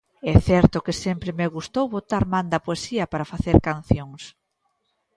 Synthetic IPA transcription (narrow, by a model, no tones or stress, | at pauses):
ɛθɛɾt̪ʊkɪsɛmpɾɪmeɣust̪owβot̪aɾmand̪ɐpoesiɐpaɾafaθeɾkanθjoŋs